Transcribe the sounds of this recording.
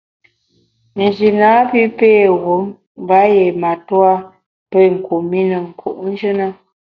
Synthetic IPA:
n̩˨d͡ʒi˨naː˨˦pi˦peː˦˨ɣo˨˦m | m˦ba˨˦je˨ma˨twa˦ | pə˦˨ŋ̩˨ku˨mi˦nə˨ŋ̩˨kʰṵ˨ʔn̩˦d͡ʒə˦nə˦

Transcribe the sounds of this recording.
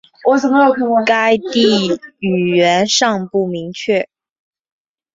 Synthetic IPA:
wɔ˨˩t͡sə˨˩mə˦jo˨˩ʊkʰi˥ŋ˥˧ka˥ɪt̪i˥˩y˨˩ɥɛ˧˥nʂɑ˥˧ŋpu˥˩mi˧˥ŋt͡ɕʰɥɛ˥˩

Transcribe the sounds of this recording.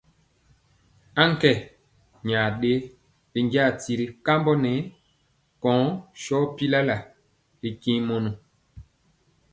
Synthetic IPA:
a˦ŋ˦kɛ˨ | ɲa˨ɗe˦ | li˨ŋɡa˦˨ti˨ɾi˨ka˦mbɔ˦nɛ˨˦ | kɔ̃ː˨˦ʃɔ˦pi˦la˦la˨ | li˨kĩ˦mo˨nu˨

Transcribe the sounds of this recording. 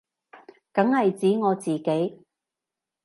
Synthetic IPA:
kɐ˨˥ŋhɐ˨jt͡siː˨˥ŋɔː˨˧t͡siː˨ke˨˥j

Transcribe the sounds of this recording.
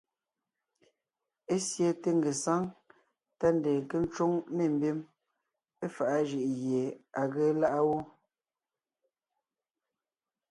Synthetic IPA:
e˦sje˦te˦ŋ˦ɡe˨sa˦ŋ | ta˦n˨de˨ke˦n̩˦t͡ʃwo˦ŋme˨m̩˦bi˦m | e˦fa˨ʔa˦ʒi˨ʔɣje˨a˨ɣe˦la˦ʔa˦wo˦

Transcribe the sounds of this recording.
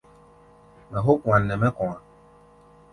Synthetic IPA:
mɛ̃˨ɦo˦kũ˨ã˨nː˨ɛ̃˨mɛ̃˦kɔ̃˨ã˨

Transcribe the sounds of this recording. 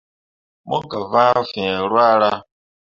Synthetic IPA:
mo˦ɡa˨va˦fi˨e˨ɾwa˦ɾa˦

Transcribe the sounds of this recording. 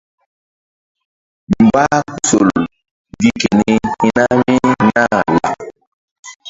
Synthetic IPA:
m˨ba˦ku˦so˨l | ɡi˦ke˨ni˦hi˦na˦mi˦na˦˨la̰˨

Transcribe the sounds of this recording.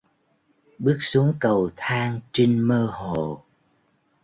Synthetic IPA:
ɓɨ˦˥ək̚su˨˦əŋkə˨˩wt̪ʰaː˧ŋt͡ɕi˧ŋməː˧ɦo˨˩˨

